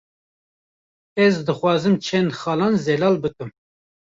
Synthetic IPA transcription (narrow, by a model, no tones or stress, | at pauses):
ɛzd̪ɨxʷwɑːzɨmt͡ʃʰɛnxɑːlɑːnzɛlɑːlbɨkɨm